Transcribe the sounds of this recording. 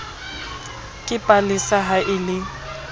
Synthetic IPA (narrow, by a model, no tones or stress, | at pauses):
kʼɪpʼalɪsaɦaʔɪlɪ